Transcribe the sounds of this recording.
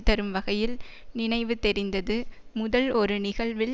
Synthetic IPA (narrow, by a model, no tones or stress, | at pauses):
t̪ːɐɾɯmʋɐɣɐjɪl | nɪnɐɪʋɯt̪ɛɾɪnd̪ɐðɯ | mʊðɐlɔɾɯnɪɣɐɭʋɪ